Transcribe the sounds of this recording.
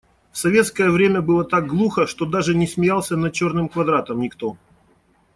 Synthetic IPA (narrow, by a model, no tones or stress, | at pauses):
fsɐvʲe̞t̪skəjəvɾʲemʲəbɨlˠət̪aɡ̚ɡlˠuxəʂt̪o̞d̪aʐɨnʲɪsmʲɪjalˠsʲənɐt͡ɕo̞rnɨmkvɐd̪ɾat̪əmnʲɪkt̪o